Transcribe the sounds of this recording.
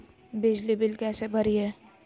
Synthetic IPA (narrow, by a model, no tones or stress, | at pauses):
bɪd͡ʒlibɪlkɛːsebʱəɾiɦɛː